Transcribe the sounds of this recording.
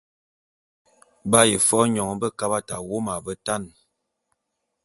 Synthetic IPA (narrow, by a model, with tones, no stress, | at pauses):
ba˦ji˨fɔ˦ɲɔ˨ŋ˨bə˦ka˦ba˦ta˨wo˦ma˨bə˦ta˦˨n